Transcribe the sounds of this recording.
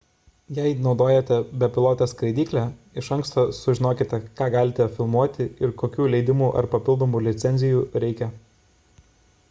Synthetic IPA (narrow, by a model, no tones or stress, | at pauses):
jɛɪnɒʊd̪oːjɛt̪ʲɛbʲɛpʲɪlˠoːt̪ʲɛskɾɐɪd̪ʲiːklʲɛɪʃɐŋkst̪oːsʊʒʲɪnoːkʲɪt̪ʲɛkɑːɡɑːlʲɪt̪ʲɛfʲɪlˠmuɔt̪ʲɪɪɾkoːkʲuːlʲɛɪd̪ʲɪmuːʔɐ̰ɾpɐpʲɪlˠd̪oːmuːlʲɪt̪sʲɛnʲzʲɪjuːɾʲɛɪkʲɛ